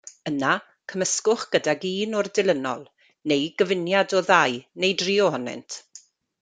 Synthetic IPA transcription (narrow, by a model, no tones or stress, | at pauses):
əna | kʰəməskʊχɡ̥ədaɡiːnʊrdɪlˠənɔ̰lˠ | nejɡəvɪnjadɔðajnejdriːɔhɔnɪ̰ntʰ